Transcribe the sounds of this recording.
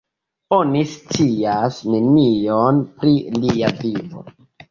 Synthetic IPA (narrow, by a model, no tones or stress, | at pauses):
o̞nist͡siasnenionpɾiliavivo̰